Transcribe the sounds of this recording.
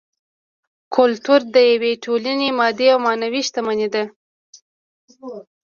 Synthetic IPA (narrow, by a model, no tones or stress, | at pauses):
kʰʊlt̪uɾd̪əjaweʈʰolanemɑd̪eawmɑnawiʃt̪amaned̪a